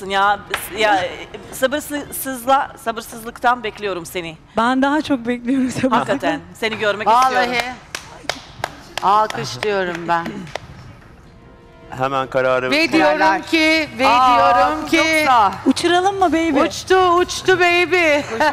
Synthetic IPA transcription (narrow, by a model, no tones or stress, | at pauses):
sɯnjajasabɯɾssɯzlˠasabɯɾsɯzlˠɯkt̪ʰanbɛclʲijo̞ɾumse̞nɪ | bænd̪aɦat͡ʃʰok̚bɛclʲijoɾumsahakːat̪ʰænse̞niɟø̞ɾmɛcalˠaɦi | alˠkʰɯʃt̪ɯjo̞ɾumbæn | hemænkʰaɾaːɾɯved̪ijoɾumcʰiveijoɾumcʰok̪aut͡ʃʰuɾalˠɯmːɯbejbiut͡ʃt̪ʰʊːt͡ʃt̪ʊbejbɪ